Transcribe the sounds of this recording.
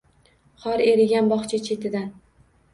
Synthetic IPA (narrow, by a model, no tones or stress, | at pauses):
χɒɾe̞ɾɪɡʲanbɒχt͡ʃʰat͡ʃʰe̞t̪ʰɪd̪an